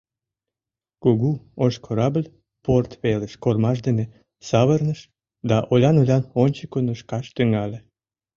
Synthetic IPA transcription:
koɣuoʃkʰoɾɑbəlʲ | port̪βeleʃkormɑʃd̪ene | sɑβərnəʃ | d̪ɑʔolʲɑnolʲɑnonʲt͡ɕəkonəʃkɑʃt̪yŋɑlʲĕ

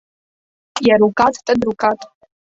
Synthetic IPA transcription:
tʼjaɾukʼatʰʼtʼadrukʰatʼ

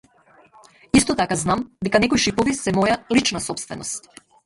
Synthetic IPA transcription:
ist̪ɔt̪akaznamd̪ɛkanɛkɔjʃipɔvisɛmɔjalit͡ʃnasɔpst̪vɛnɔst̪

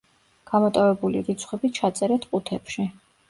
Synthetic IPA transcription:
ɡ̥amɔt̪ʼɔvɛbulḭɡit̪sʰχwɛbit͡ʃʰat̪sʼɛɾɛt̪ʰqʼut̪ʰɛpʃi

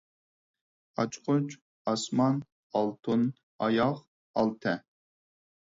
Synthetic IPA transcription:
ɑt͡ʃʰqʊt͡ʃ | ɑsmɑn | ɑlˠt̪ʰun | ɑjɑχ | ɑlˠt̪ʰɛ

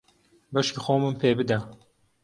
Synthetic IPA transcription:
bɐʃixoːmɨmpʰebɨd̪a

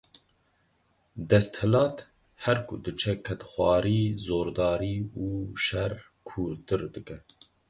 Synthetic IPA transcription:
d̪ɛst̪hɨlɑːt̪ | hɛɾkʰṵd̪ɨt͡ʃʰɛkʰɛt̪xʷɑːɾiːzoːɾd̪ɑːɾiːuːʃɛɾ | kʰuːɾt̪ɨɾd̪ɨkɛ

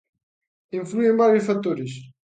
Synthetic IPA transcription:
ĩfluẽbaɾjuʃfat̪oɾɪʃ

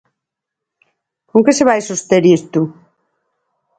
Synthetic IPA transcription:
koŋkeseβajsost̪eɾiest̪u

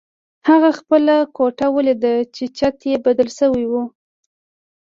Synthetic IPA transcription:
haɣaxpəlakoʈawəlid̪ət͡ʃet͡ʃat̪jebad̪əlsəwiwu

